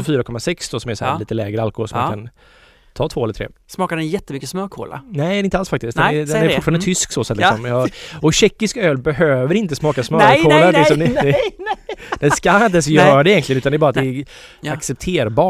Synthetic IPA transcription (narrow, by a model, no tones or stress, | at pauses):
fyːɾakɔmːasɛksd̪ɔsɔmæʂsɔhæ̰liːt̪əlɛːɡɾəalkɔho̰ːlsɔmakʰan | t̪ʰɑːt̪voːɛləɾt̪ʰɾḛːsmɑːkaɾɛnjɛt̪ːəmʏkːəsmœːkʰo̰ːla̰ɾnɛɪɪnt̪əalsfak̚t̪ɪst̪d̪ɛɛd̪ɛnɛɾfʊtʈfɑɾnd̪ət̪ʰʏsksoːsat̪lksɔmjɑɔɕɛkːɪskøːlbɛɦøːvəɾɪnt̪əsmɑːkasmœɾkʰoːlaɾlɪksɔmd̪ɛ | d̪ɛnskaaɪnt̪əɛns̬ɔjœːɾad̪ɛjɛnk̪lɪɡnʉ̟t̪and̪ɛɾɛbɑɾat̪d̪ɛː | aksɛp̚t̪ʰeːɾbɑː